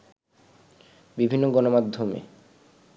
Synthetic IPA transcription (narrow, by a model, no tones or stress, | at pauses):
bibʱinːoɡɔnomad̪ʱːomḛ